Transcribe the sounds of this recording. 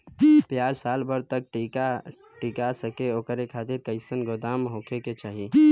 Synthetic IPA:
pjaːd͡ʒsaːlbəɾt̪ək̚ʈika | ʈikasəkeoːkəɾekʰaːt̪iɾkəɪsənɡod̪aːmɦoːkʰeket͡ʃaːɦi

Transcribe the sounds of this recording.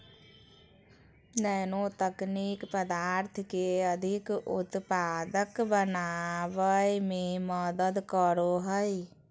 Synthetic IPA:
nənot̪əknikpəd̪aɾt̪ʰkeəd̪ʱikut̪pad̪əkbənabəjmeməd̪əd̪kəɾoɦəj

